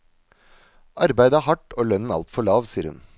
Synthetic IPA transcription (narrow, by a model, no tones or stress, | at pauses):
ʔɑɾbæɪd̪əæhɑʈːoːlœnn̩ɑ̰lt̪fɔɭɑːʋsiːəɾhʉ̰n